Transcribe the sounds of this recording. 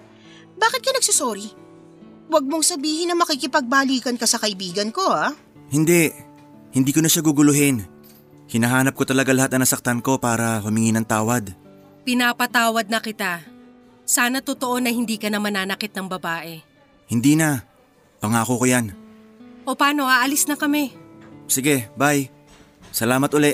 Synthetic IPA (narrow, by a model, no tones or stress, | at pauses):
baːkɪt̪̚kɐnɐɡ̚sosoːɾi | wɐɡ̚moŋsɐbiːhɪnːɐŋmɐkikɪpɐɡ̚baːliːkɐnkɐsɐkɐʔɪbiːɡɐnko̞a | hɪnd̪ɛ | hɪnd̪iːkonɐʃaɡʊɡʊlʊɦɪn | hɪnɐɦaːnɐp̚kot̪ɐlɐɡalɐhat̪nɐŋnɐsɐk̚t̪anko̞paːɾɐhʊmɪŋinɐŋt̪aːwɐd̪ | pɪnaːpɐt̪aːwɐd̪̚nɐkɪt̪a | saːnɐt̪ot̪o̞ʔo̞nɐhɪnd̪iːkɐnɐmɐnaːnɐkɪt̪̚nɐŋbɐbaːʔɛ | hɪnd̪iːna | pɐŋaːkokojan | ʔopaːno̞ʔaːʔɐlɪsnɐkɐmɛsɪɡɛbaj | sɐlaːmɐt̪ʔolɛʔ